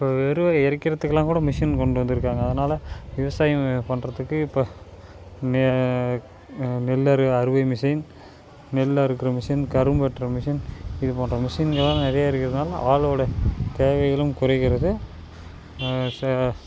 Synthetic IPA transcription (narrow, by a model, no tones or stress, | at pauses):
ɪpːoːɛɾɯʋɐɛɾɐkːɪɾɐt̪ːɯkːɯlːãːŋkuːɽɐmɪʂɐnkɔɳɖɯʋɐnd̪ɪɾɯkːaːŋɡɐːðɐnaːlɐʋɪʋɐsaːjɐpɐɳrɐðɯkːɯɪpːo | nɛ | nɛlːɐɾɯɐɾɯʋɐɪmɪʂin | nɛlːaːɪɾɯkːɪɾɐmɪʂɐnkɐɾɯmpɛʈːrɐmɪʂɐnɪðɯpoːnrɐmɪʂinɡɐɭːãːnɛɾɐjaːɪɾɯkːɪɾɐðɐnaːlɐ̰ʔaːɭɔːɽɐt̪eːʋɐɪɣɐɭɯmkʊɾɐɪɣɪɾɐðɯ | s